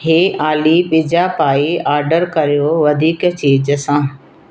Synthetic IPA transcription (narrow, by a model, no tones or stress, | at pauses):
ɦeːʔaːliɓɪd͡ʑapaːiaːɾɖəɾkɐɾijoʋɐd̪ʱiːkt͡ɕiːd͡ʑəsãː